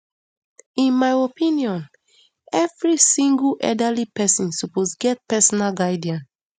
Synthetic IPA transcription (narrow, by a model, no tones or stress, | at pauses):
ĩnmajopʰĩniɔ̃n | ɛvɹisĩŋɡulʔɛ̰dalipɛsɔ̃nsuposɡɛt̚pɛsɔnalɡaɪdiãn